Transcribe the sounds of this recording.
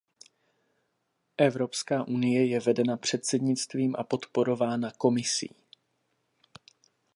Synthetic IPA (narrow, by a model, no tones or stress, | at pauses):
ʔɛvɾo̞pskaːʔunɪjɛjɛvɛdɛnapr̝̥ɛt̪sɛdɲɪt͡st̪viːmʔa̰po̞t̪po̞ɾo̞vaːnako̞mɪsḭː